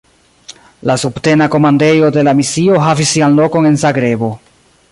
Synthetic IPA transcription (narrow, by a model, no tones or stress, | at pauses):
lasubte̞nako̞mande̞jo̞de̞lamisio̞ɦavisːianlo̞ko̞ne̞nzaɡɾe̞bo̞